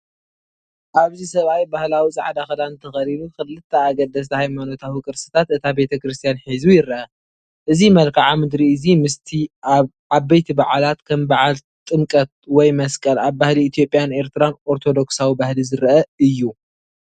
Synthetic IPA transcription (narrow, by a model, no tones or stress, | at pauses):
ʔaβzisɐβajbahlawit͡sʼa̰ʕd̪axɐlant̪ʰɐxɐɾilukɨlɨt̪ʰːɐaɡɐd̪ɐs̬t̪ʰɐhajmano̞t̪ʰawikʼɨɾsɨ̥t̪ʰat̪ɨt̪ʰabe̞t̪ʰɐkɾɨs̬t̪ʰijanħizujɪɾɐʔɐ | ʔɨzimɐlkʰaʕamɨd̪ɾiɨzimɨst̪ʰi | aβbejt̪ʰibaʕalat̪kʰɐmbaʕal | t̪ʼɨmkʼɐt̪̚wɔjmɐskʼɐlaβbahliːt̪ʰjo̞pʼjane̞ɾt̪ʰɨɾanʔo̞ɾt̪ʰo̞d̪o̞ksawibahlizɨɾʔɐɨjːu